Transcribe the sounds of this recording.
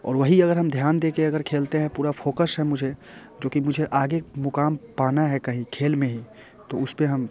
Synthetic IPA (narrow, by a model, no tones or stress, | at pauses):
ɔ̰ːɾʋəɦiɐɡəɾɦəmd̪ʱjaːnd̪eːkeɐɡəɾkʰeːlt̪eɦɛ̃puːɾapʰoːkəsɦɛ̃mʊd͡ʒʱe | d͡ʒoːkimʊd͡ʒʱeʔaːɡemʊkaːmpaːnaɦɛkɐɦĩkʰeːlmẽɦi | t̪oʊspeɦɐm